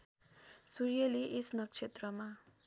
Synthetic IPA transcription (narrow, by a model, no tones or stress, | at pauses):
suɾijʌliʔesnʌk̚t͡sʰet̪rʌma